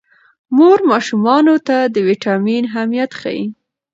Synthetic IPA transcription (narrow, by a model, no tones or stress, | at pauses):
moɾmɑʃumɑnot̪ad̪əwiʈɑminɦamijat̪xa̰jḭ